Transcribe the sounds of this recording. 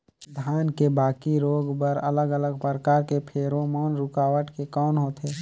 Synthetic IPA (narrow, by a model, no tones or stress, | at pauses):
d̪ʱaːnkebaːkiɾoːɡpəɾələɡələɡpəɾəkaːɾkepʰeːɾomɔːnɾʊkaːʋəʈkekɔːnɦoːt̪ʰeː